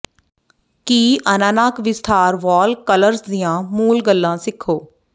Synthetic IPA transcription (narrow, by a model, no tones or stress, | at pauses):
kiːʔənaːnaːkʋɪst̪ʰaːɾʋaːlkələɾsd̪ɪjãːmuːlɡəlːãːsɪkʰoː